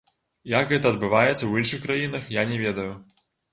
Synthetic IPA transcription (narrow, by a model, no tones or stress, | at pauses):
jakɣɛt̪ɐːd̪̚bɨvajɛt̪sːɐwjinʂɨxkɾajinɐxjanʲɛvʲɛd̪ɐju